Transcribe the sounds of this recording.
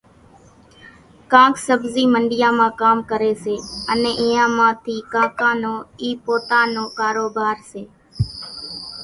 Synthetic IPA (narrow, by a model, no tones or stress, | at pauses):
kãːksəbziːməɳɖɪjãːmãːkaːmkəɾeːseːəneːʔɪjãːmãːt̪ʰiːkãːkãːnoːiːpoːt̪ãːnõːkaːɾoːbaːɾseː